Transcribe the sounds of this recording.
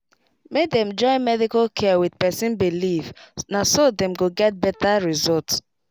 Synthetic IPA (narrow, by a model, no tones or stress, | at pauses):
medɛ̃md͡ʒɔ̃ɪmɛdikalkʰɛwidpɛsĩnbilivnasodɛ̃mɡoɡɛt̚bɛtaɹizɔlt